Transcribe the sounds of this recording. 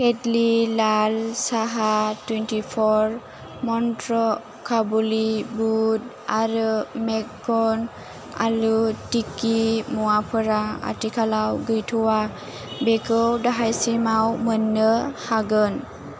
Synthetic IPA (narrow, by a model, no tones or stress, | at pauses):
kedlilalsaɦatwentipʰɔɾ | mɔntɾɔ | kʰabulibud̚ | aɾɯmɛkːɔn | a̰lutikimuapʰɯɾaa̰tikʰalawɡɯjtʰuwa | bekɯwdaɦajsimawmənːəhaɡɯn